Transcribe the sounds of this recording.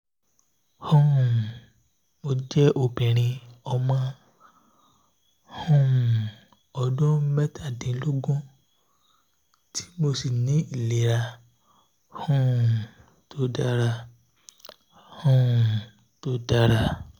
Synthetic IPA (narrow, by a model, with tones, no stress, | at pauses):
hũ˦˨ | mo˧d͡ʒɛ˦ʔo˧˨bĩ˨ɾ̃ĩ˧ɔ˧mã˧˦ | hũ˦˨ | ɔ˧dũ˦mɛ˦tʰa˦˨dĩ˨˦lo˦ɡũ˦ | tʰi̥˦mo˧si˨nĩ˨˦i˦˨le˨ɾa˧ | hũ˦˨ | tʰo˧˦da˧ɾa˦˧˨ | hũ˦˨ | to˨˦da˧ɾa˧˨